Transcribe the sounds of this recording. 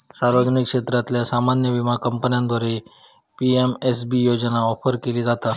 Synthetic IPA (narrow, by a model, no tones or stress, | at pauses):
saɾʋəd͡ʑnikʂet̪ɾat̪ljasamanjəʋimakəmpənjãnd̪ʋaɾepiemes̬bijod͡ʑnaɔfʰəɾkeliːd͡zat̪a